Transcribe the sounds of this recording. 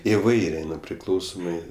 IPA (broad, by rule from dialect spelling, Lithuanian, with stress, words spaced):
ɪˈʋɐɪrʲeː ˈnʊ ˈpʲrʲɪklˠɐʊsoːmɜ